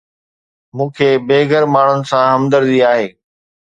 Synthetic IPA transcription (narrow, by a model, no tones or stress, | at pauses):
mũːkʰeːbeːɡəɾmaːɳ̤ʊnɪ̆sãɦɐmd̪əɾd̪iaːɦeː